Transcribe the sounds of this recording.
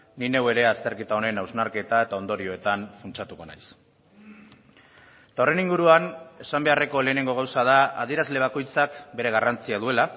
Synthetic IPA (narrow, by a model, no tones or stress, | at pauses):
nine̞we̞ɾe̞ast̪e̞ɾkit̪ao̞ne̞nawznaɾke̞t̪ae̞t̪ao̞nd̪o̞ɾio̞e̞t̪anfunt͡ʃat̪uko̞na̰js | t̪aore̞niŋɡuɾuane̞sambe̞are̞ko̞le̞ːne̞ŋɡo̞ɣ̞awsað̞aað̞ieɾazle̞β̞ako̞jt͡sakbe̞ɾe̞ɣ̞arant͡siað̞ue̞la